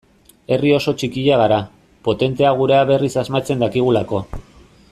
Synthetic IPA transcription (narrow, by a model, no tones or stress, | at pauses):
e̞rio̞so̞t͡ʃikiʎaɣaɾa | po̞t̪e̞nt̪e̞aɣ̞uɾeaβe̞risazmat͡se̞nd̪akiɣ̞ulako̞